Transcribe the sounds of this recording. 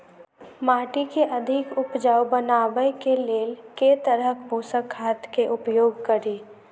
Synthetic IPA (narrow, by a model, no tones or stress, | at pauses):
maːʈikeʔɐd̪ʱɪkʊpd͡ʒaːwbənaːʋəjkeleːlket̪əɾəkbʱoːsəkʰːaːt̪keʔʊpjoːɡkəɾiː